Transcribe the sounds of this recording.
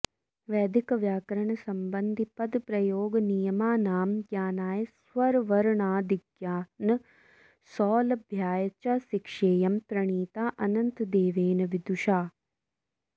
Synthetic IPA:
ʋɛːd̪ikɐʋjaːkɐɾɐɳɐsɐmbɐnd̪ʱipɐd̪pɾɐjoːɡɐnijɐmaːnaːmɡjaːnaːjɐsʋɐɾʋɐɾɳaːd̪iɡjaːnɐ | sɔːlɐbʱjaːjɐt͡ʃɐʃikʂeːjɐmt̪ɾɐɳ̃iːt̪aːʔɐnɐnt̪d̪eːʋeːnɐʋid̪uʃaː

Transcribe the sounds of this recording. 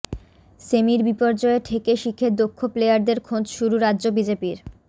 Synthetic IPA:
semiɾbipɔɾd͡ʑɔeʈʰekeʃikʰːed̪okʰːoplejaɾd̪eɾkʰod͡ʑʃuɾuɾadːʑobid͡ʑepiɾ

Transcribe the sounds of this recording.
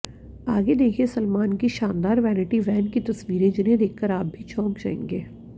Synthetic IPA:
aːɡed̪eːkʰiesɐlmaːnkiʃaːnd̪aːɾʋɛːnɪʈiʋɛːnkit̪ɐsʋiːɾẽd͡ʒɪnẽd̪eːkʰkəɾaːp̚bʱit͡ʃʰɔ̃ːkd͡ʒaːḛ̃ːŋɡeː

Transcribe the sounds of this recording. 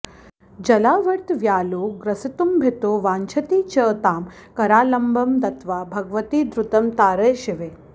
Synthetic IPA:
d͡ʒɐlaːʋɐɾt̪ʋjaːloːɡɾɐsit̪umbʱet̪oːʋaːnt͡ʃʰɐt̪iːt͡ʃɐːt̪aːm | kɐɾaːlɐmbʱɐmd̪ɐt̪ʋaːbʱɐɡʋɐt̪iːd̪ɾut̪ɐmt̪aːɾɐjʃiʋeː

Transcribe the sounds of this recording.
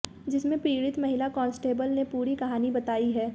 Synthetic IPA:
d͡ʒɪsmẽpɾiːɽɪt̪mɐɦɪlakɔ̃ːnsʈeːbəlnepuːɾikɐɦaːnibɐt̪aːiɦɛː

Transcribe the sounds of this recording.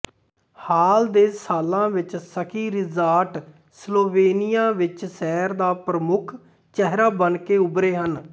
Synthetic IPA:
haːld̪eːsaːlãːʋɪt͡ʃsəkʰiːɾɪzaːɾʈ | sloːʋeːnɪjãːʋɪt͡ʃsɛːɾd̪aːpɾəmʊkʰ | t͡ʃɛɦɾaːbənkeːʊbɾeːɦən

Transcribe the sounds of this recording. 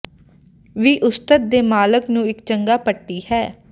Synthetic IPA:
ʋiːʔʊst̪ət̪̚d̪eːmaːləknũːɪkt͡ʃəŋɡaːpəʈːiːhɛː

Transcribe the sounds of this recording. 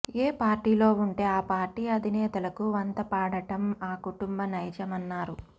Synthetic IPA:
eːpaːɾʈiːlo̞ːuɳʈe̞ːaːpaːɾʈiːɐd̪ʱinɛːt̪ɐlɐkuʋɐnt̪ɐpaːɽɐʈɐmaːkuʈumbɐnɐjd͡ʒɐmɐnːaːɾu

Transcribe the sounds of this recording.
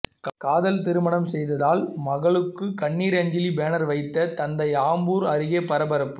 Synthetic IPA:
kaːðɐlt̪ɪɾɯmɐɳɐmsɛjðɐðaːlmɐɣɐɭɯkːɯkɐɳːiːɾɐɲd͡ʒɪlibeːnɐɾʋɐɪt̪ːɐt̪ɐnd̪ɐɪaːmbuːɾɐɾɯɣeːpɐɾɐbɐɾɐpːɯ

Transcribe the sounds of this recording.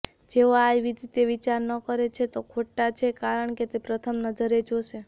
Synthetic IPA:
d͡ʒeoajʋid̪ʱit̪eʋit͡ʃaɾnəkəɾet͡ʃʰet̪okʰoʈːat͡ʃʰekaɾəɳket̪epɾət̪ʰəmnəd͡ʒəɾed͡ʒoʃe

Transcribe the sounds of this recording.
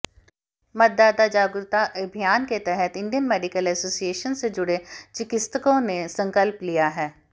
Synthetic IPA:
mɐt̪̚d̪aːd̪ad͡ʒaːɡʊɾt̪aʔɐbʱijaːnket̪ɛɦət̪ɪ̃ɳɖijənmeːɖɪkəlɛsoːsieːʃənsed͡ʒʊɽet͡ʃɪkɪst̪əkõnesɐ̃ŋkəlplijaɦɛː

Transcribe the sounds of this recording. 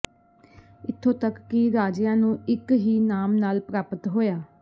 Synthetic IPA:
ɪt̪ʰːõːt̪əkːɪɾaːd͡ʒjãːnũːɪkɦiːnaːmnaːlpɾaːpət̪ɦoːjaː

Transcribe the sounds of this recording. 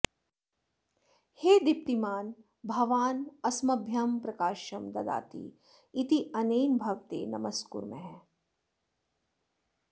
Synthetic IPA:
heːd̪ip̚t̪imaːn | bʱɐʋaːnɐsmɐbʱjɐmpɾɐkaːʃɐmd̪ɐd̪a̰ːt̪ḭ | it̪iɐnejnbʱɐʋt̪ḛːnɐ̰mɐskṵɾmḛ̃ɦɛ

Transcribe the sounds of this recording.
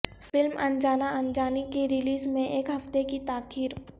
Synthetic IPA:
fɪlmɐ̰nd͡ʒaːnaʔɐnd͡ʒaːnikiɾɪliːzmẽʔeːkɦɐft̪ekit̪aːkiːɾ

